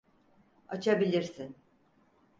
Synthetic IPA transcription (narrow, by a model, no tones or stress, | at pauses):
at͡ʃʰabilʲiɾsin